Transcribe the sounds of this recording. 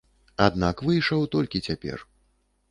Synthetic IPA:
ad̪nakvɨjʂɐwt̪ɔlʲkʲit͡sʲapʲɛ̰r

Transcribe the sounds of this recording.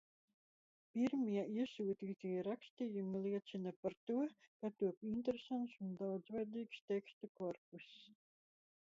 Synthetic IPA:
pʲiɾmiɛiɛsuːt̪iːt̪ijɛɾakst̪iːjumilˠiɛt̪sinapaɾt̪uɔkat̪uɔpint̪eɾesant̪sund̪awd̪zvajd̪iːkst̪ʲɛkst̪ukɔɾpus

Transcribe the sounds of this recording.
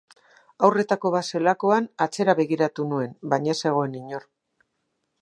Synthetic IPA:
awre̞t̪ako̞βase̞lako̞anat͡se̞ɾaβe̞ɣ̞iɾat̪unue̞nbaɲase̞ɣ̞o̞e̞niɲo̞r

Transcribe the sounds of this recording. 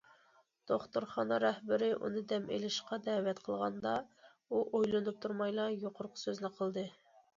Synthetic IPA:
d̪̥oχt̪oɾχɑnɑɾɛhbɪɾɪʔṵnɨd̪ɛmḛlɪʃqɑd̪ɛːwɛt̪qʰəlˠʁɑnd̪ɑ | uʔojlˠɨnɨp̚t̪ʰuɾmɑjlˠɑjoqʰʊɾqʰʊ̥søznɪqʰəlˠd̪ɨ

